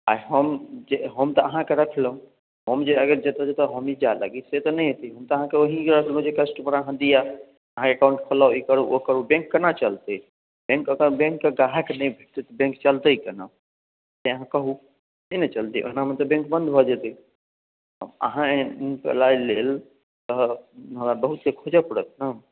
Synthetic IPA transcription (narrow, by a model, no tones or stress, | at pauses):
a̰ɦəmd͡ʒeɦəmt̪ɔəɦãkeɾəkʰləɦũ | ɦəmd͡ʒeəɡəɾd͡ʒet̪ad͡ʒet̪ɔɦəmid͡ʒala̰ɡiset̪ɔnɛɦet̪iɦəmt̪əɦãkeoɦikeɾəkʰl̃d͡ʒekəsʈpəɾəɦãd̪ija | əɦãkekãũɳʈkʰəlaikəɾuʔokəɾubẽŋkːənat͡ʃəlt̪ɛ | bẽŋkəkəɾbẽŋkːeɡaɦakenɛjbʱet̪ɛt̪bẽŋkt͡ʃəlt̪əikəna | t̪eəɦãkəɦu | inet͡ʃəlt̪iʔo̰namet̪əbẽŋkbə̃nd̪ʱbʱɔd͡ʒɛt̪ɛ̰ | mə̰ɦãekḛlailel | t̪əɦəmɾabəɦut̪sekʰod͡ʒapəɽət̪na